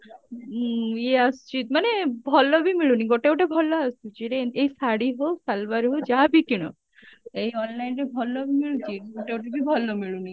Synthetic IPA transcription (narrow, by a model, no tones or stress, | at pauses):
jeast͡ʃit̪manebʱɔlɔbʱimiɭuniɡoʈeoʈebʱɔlɔast̪ut͡ʃiɾeeisaɽiɦosalbaɾɦod͡ʒabʱikiɽ̃ɔ̰ | eiɔnlajnɾebʱɔlɔbʱimiɭut͡ʃiɡoʈeoʈebʱibʱɔlɔmiɭuni